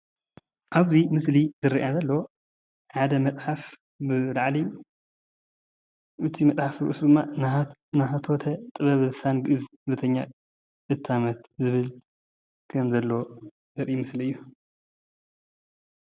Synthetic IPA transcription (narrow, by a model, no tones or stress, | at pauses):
ʔaβzimɨslizɨɾiʔazɐlːo | ħad̪ɐmɐt͡sʼħaf | bɨlaʕliju | ʔɨt̪ʰimɐt͡sʼħafɾuʔṵsd̪ɨmːannaɦɐt̪ʰo̞t̪ʰɐt̪ʼɨβɐβɨlɨsanɡɨʔɨz | βɨt̪ʰɐɲːa | ɨt̪ʰːamɐt̪zɨβɨl | kʰɐmzɐlːo̞ | zɨɾʔimɨsliɨjːu